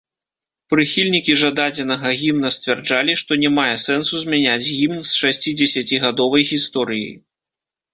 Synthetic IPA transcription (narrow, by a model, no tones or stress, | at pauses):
pɾɨxʲilʲnʲikʲiʐad̪ad͡zʲɛnɐɣɐɣʲimnɐsʲt̪ʲvʲɛrd͡ʐalʲiʂt̪ɔnʲɛmajɛsɛnsuzʲmʲanʲad͡zʲɣʲimnsʂasʲt͡sʲid͡zʲɛsʲat͡sʲiɣad̪ɔvɐjɣʲist̪ɔɾɨjḭj